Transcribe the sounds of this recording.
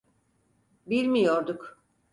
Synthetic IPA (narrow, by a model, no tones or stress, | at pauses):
bilʲmijo̞ɾd̪ʊk